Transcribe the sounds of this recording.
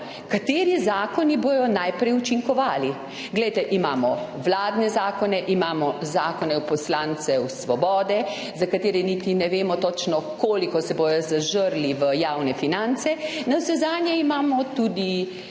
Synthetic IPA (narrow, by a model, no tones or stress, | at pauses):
kat̪eːɾizaːkɔnibojɔnajpɾɛjut͡ʃiŋkɔʋaːli | ɡlɛjt̪ɛʔimaːmɔʋlaːd̪nɛzaːkɔnɛʔimaːmɔzaːkɔnɛwpɔslaːnsɛwsʋɔbɔːd̪ɛ | zakat̪eːɾɛnit̪inɛʋeːmɔt̪ɔt͡ʃnɔkoːlikɔsɛbojɔzaʒəɾliʋəjaːwnɛfinant̪sɛnawsɛzaːnjɛimaːmɔt̪ud̪i